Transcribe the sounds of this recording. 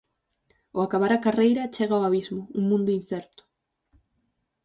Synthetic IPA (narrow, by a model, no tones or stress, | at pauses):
ʊakaβaɾakarejɾɐt͡ʃeɣaoaβizmʊuŋmũnd̪ʊin̟θɛɾt̪ʊ̥